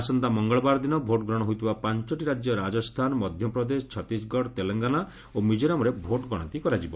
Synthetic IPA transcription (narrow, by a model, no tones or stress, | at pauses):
asɔnt̪amɔŋɡɔɭɔbaɾɔd̪inɔbʱoʈɔɡɾɔɽ̃ɔɦujt̪ʰibapant͡ʃɔʈiɾad͡ʒjɔɾad͡ʒɔst̪ʰanɔmɔd̪ʱjɔpɾɔd̪esɔ̥t͡ʃʰɔt̪isɡɔɽt̪eleŋɡana | omid͡ʒɔɾamɔɾebʱoʈɡɔɽ̃ɔnt̪ikɔɾad͡ʒibɔ